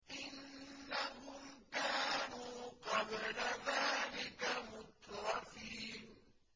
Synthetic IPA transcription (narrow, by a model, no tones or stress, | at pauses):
ʔɪnːahʊmkaːnuːqɑblaðaːlɪkamʊt̪ɾˤɑfiːn